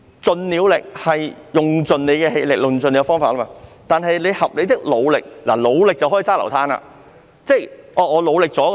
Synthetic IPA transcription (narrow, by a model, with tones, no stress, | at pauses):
t͡sɵ˨nliː˨˧wlɪ˨k̚hɐ˨jjʊ˨ŋt͡sɵ˨nle˨˧kɛː˧ɦe˧jlɪ˨k̚lʊ˨˩ŋt͡sɵ˨nle˨˧kɛ˧fɔː˥ŋfaː˨t̚lɐː˥maː˧t̪aː˨nɦɐ˨jle˨˧jhɐ˨p̚le˨˧t̪ɪ˥k̚lo˨˧wlɪ˨k̚la̰ː˨˩lo˨˧wlɪ˨k̚t͡sɐ˨whɔː˨˥i˧t͡saː˥lɐ˨˩wt̪ʰaː˥na̰ː˧ | t͡sɛ˥˩jʔɔː˨˧ŋɔː˨˧lo˨˧wlɪ˨k̚t͡sɔː˨˥